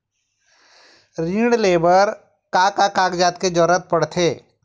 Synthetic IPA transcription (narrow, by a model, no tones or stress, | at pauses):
ɾiːɽleːbəɾ | kaːkakaːkd͡ʒaːt̪ked͡ʒɔɾət̪̚pɐɽt̪ʰeː